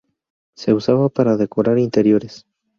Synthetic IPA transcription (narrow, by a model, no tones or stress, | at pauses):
se̞usaβapaɾaðe̞ko̞ɾaɾint̪e̞ɾjo̞ɾes